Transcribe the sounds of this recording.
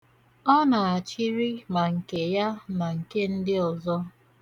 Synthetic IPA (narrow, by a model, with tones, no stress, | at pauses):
ɔ˦na˨a˨t͡ʃi˦ɾi˦ma˨ŋ̩˨ke˨ja˦na˨ŋ̩˨ke˦n̩˦dɪ˦ɔ˨zɔ˦